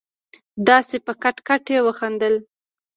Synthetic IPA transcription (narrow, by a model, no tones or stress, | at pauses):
d̪ɑsepəkaʈkaʈewəxand̪əl